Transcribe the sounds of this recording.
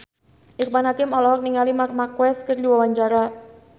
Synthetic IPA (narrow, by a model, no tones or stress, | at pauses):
ʔirpanɦakɪmɔlɔɦɔk̚niŋalimarmakwɛskərdiwawaɲt͡ʃaɾa